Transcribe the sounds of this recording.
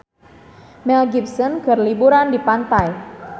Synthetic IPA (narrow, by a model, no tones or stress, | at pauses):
mɛlɡipsɔnɡərlibuɾandipant̪aj